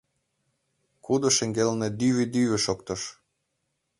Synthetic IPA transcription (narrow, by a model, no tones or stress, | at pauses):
kud̪oʃĕŋɡelned̪yβed̪yβĕʃokt̪ɤ̆ʃ